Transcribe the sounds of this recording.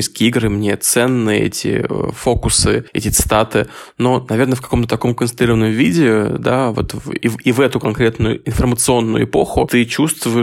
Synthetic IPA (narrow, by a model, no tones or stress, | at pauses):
iskʲiːiɡɾɨmnʲet̪sɛnːɨjəɛ̰tʲɪ̰fo̞kʊsɨɛ̰tʲɪt̪sɨ̥t̪at̪ɨ | no̞nɐvʲe̞rnəfkɐko̞mt̪ət̪ɐko̞mkənsɾʲiɾəvənəmʊvʲidʲɪd̪avo̞̰t̪ḭivɛt̪ʊkɐnkɾʲe̞t̪nʊjʊ̰ɪnfərmət̪sɨo̞nːʊjʊ̰ɪpo̞xʊt̪ɨt͡ɕust̪vʊɪ